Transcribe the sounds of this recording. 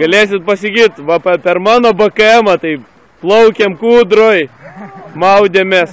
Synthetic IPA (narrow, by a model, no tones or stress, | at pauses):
ɡɐlʲeːsʲɪt̪̚pɐsʲɪɡʲiːt̪ʋɐpɐpʲɛrmɑːnoːbɐkɐɛmɐt̪ɐɪ | plˠɐʊkʲɛmkuːd̪ɾoj | mɐʊd̪ʲemʲes